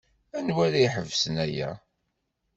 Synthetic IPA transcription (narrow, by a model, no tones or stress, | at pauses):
ænwæɾaiħəvːsənæjæ̰